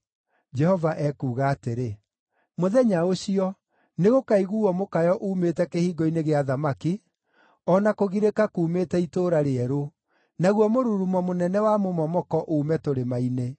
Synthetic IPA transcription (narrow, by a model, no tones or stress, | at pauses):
d͡ʒɛhɔvaʔɛkuːɣaːteɾe | moðɛɲaoɕiɔ | neɣokaiɣuːɔmokajɔʔuːmetɛkehiːɡɔineɣeaðamaki | ɔnakoɣiɾekakuːmetɛitoːɾaɾeɛɾo | naɣwɔmoɾuɾumɔmonɛnɛwamomɔmɔkɔʔuːmɛtoɾemaine